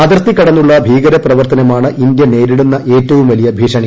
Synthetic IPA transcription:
ɐd̪rt̪ːikːɐɽɐnːuɭːɐbʱiːɡɐɾɐprɐʋɐrt̪ɐnɐmaːɳɨʔind̪jɐne̞ːɾiɽunːɐʔe̞ːtːɐʋumʋɐlijɐbʱiːʂɐɳi

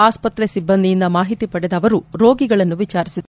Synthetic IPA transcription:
aːspɐt̪ɾesibːɐnd̪ijind̪ɐmaːɦit̪ipɐɽɛd̪ɐʋɐɾuɾo̞ːɡiɡɐɭɐnːuʋit͡ʃaːɾisid̪

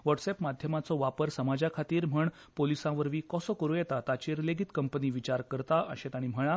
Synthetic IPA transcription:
ʋəʈsepmad̪ʱjəmat͡sɔʋapəɾsəmad͡ʑakʰat̪iːɾm̤əɳ | polisãʋəɾʋiːkɔsɔkəɾujɛt̪at̪at͡ɕiːɾleɡʱit̪kəmpəniːʋit͡ɕaɾkəɾt̪aə̰ɕẽt̪aɽ̃im̤əɭ̃ã

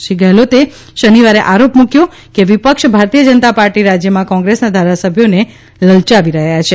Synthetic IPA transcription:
ʃiɡɛɦlot̪e | ʃəniʋaɾeʔaɾopmũkjõ | keʋipəkʃbʱaɾt̪ijəd͡ʒənət̪apaɾʈiɾad͡ʒjəmãkɔ̃ŋɡɾesnad̪ʱaɾasəbʱjone | ləlt͡ʃaʋiɾəɦjat͡ʃʰe

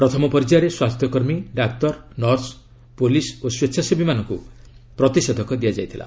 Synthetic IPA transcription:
pɾɔt̪ʰɔmɔpɔɾd͡ʒɾeswast̪ʰjɔkɔɾmiɖak̚t̪ɔɾnɔɾs | polisoswetːsʰasebimanɔŋkṵ | pɾɔt̪ised̪ʱɔkɔd̪iad͡ʒajt̪ʰila̰

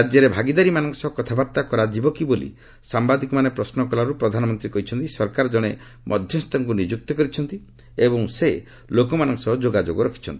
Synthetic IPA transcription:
ad͡ʒjɔɾebʱaɡid̪aɾimanɔŋsɔkɔt̪ʰabaɾt̪akɔɾad͡ʒibɔkibolḭ | sambad̪ikɔmanepɾɔsnɔkɔlaɾupɾɔd̪ʱanɔmɔnt̪ɾikɔɦit͡ʃʰɔnt̪isɔɾkaɾɔd͡ʒɔɽ̃e | mʔɔd̪ʱjɔst̪ɔŋkunid͡ʒuk̚t̪ɔkɔɾit͡ʃʰɔnt̪i | ebɔŋse | lokɔmanɔŋsɔd͡ʒoɡad͡ʒoɡɔɾɔkʰi̥t͡ʃʰɔnt̪ii̥

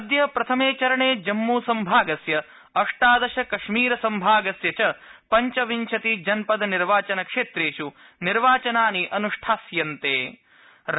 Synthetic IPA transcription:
d̪jɐpɾɐt̪ʰɐmeːt͡ʃɐɾɐɳeːd͡ʒɐmːuːsɐmbʱaːɡɐsjɐ | ɐʂʈaːd̪ɐʃɐkɐʂmiːɾɐsɐmbʱaːɡɐsjɐt͡ʃɐpɐɲt͡ʃɐʋiɲt͡ʃʰɐt̪id͡ʒɐnpɐd̪ɐniɾʋaːt͡ʃɐnɐkʂeːt̪ɾeːʂu | niɾʋaːt͡ʃɐnaːniʔɐnuʂʈʰaːsjɐnt̪eː

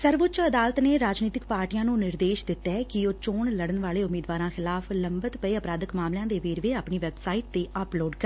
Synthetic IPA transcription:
səɾʋʊt͡ʃəd̪aːlət̪neːɾaːd͡ʒniːt̪ɪkpaːɾʈijãːnũːnɪɾd̪eːʃd̪ɪt̪ːɛːkɪoːt͡ʃoːɳləɽənʋaːleːʊmiːd̪ʋaːɾãːxʰɪlaːfʰləmbət̪pəeːəpɾaːd̪əkmaːmlãːd̪eːʋeːɾʋeːaːpɳiːʋɛːbsaːiʈ̚t̪eːʔaploːɖkəɾ

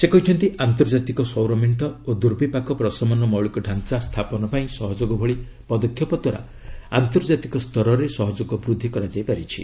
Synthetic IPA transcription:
sekɔɦijt͡ʃʰɔnt̪iʔant̪ɔɾd͡ʒat̪ikɔsɔwɾɔmeɳʈɔod̪uɾbʱipakɔpɾɔsɔmɔnɔmɔwɭikɔɖʱant͡ʃast̪ʰapɔnɔpaĩsɔɦɔd͡ʒoɡɔbʱɔɭi | pɔd̪ɔkʰːjɔpɔd̪waɾa̰ | a̰nt̪ɔɾd͡ʒat̪ikɔst̪ʰɔɾɔɾesɔɦɔd͡ʒoɡɔbɾud̪ʱːikɔɾad͡ʒajpaɾit͡ʃʰḭ

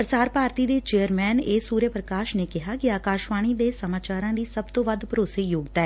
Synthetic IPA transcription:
pɾəsaːɾpaːɾt̪iːd̪eːt͡ʃeːəɾmɛːneːsuːɾjəpɾəkaːʃneːkɪɦaːkɪaːkaːʃʋaːɽ̃iːd̪eːsəmaːt͡ʃaːɾãːd̪iːsəb̚t̪õːʋəd̪pəɾoːseːjoːɡt̪aɛː

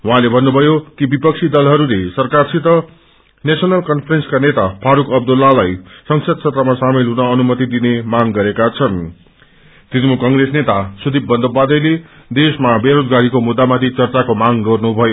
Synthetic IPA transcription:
wʌɦãlebʱʌnːubʱʌjokibipʌk̚t͡sʰid̪ʌlɦʌɾulesʌrkarsʰit̪ʌ | nesʌnalkʌnpʰrenskanet̪apʰaɾukʌb̚d̪ʌlːalajsʌŋsʰʌd̪̚sʰʌt̪rʌmasamilɦunʌʌnumʌt̪id̪inemaŋɡʌɾekat͡sʰʌn | t̪inmukʌŋɡresnet̪asud̪ʱibːʌnd̪ʌbad̪ʌjle | d̪esmabeɾod͡zɡaɾikomud̪ːamat̪ʰit͡sʌrt͡sakomaŋɡʌrnubʱʌjo

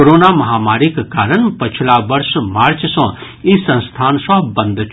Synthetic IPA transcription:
oɾoːnamɐɦaːmaːɾikkaːɾənpət͡ʃʰlabɐɾsmaːɾt͡ʃsɔ̃ | isə̃nst̪ʰaːnsɔ̃bənd̪ʱ

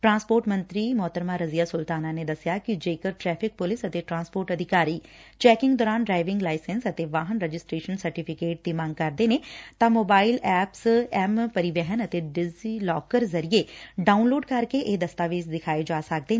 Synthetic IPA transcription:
ʈɾãːnspoːɾʈmə̃nt̪ɾiːmʊɦt̪əɾmaːɾəzijaːsʊlt̪aːnaːned̪ɐsɪjakid͡ʒeːkəɾʈɾɛːpʰɪk̚pʊlɪsət̪eʈɾãːnspoːɾʈəd̪ʱɪkaːɾiːt͡ʃɛːkɪ̃ŋɡd̪ɔːɾaːnɖɾaːɪʋɪ̃ŋɡlaːɪsɛnsət̪eʋaːɦənɾəd͡ʒɪsʈɾeːʃənsəɾʈɪpʰɪkeːʈ̚d̪iːmãŋɡ̚kɐɾd̪eːnet̪ãːmoːbaːɪlɛːpsɛmpəɾiʋɛɦənət̪eɖɪziːlɔːkəɾzəɾijeɖaːunloːɖkɐɾkeʔeːd̪əst̪aːʋeːd͡ʒd̪ɪkʰaːed͡ʒaːsək̚d̪eː

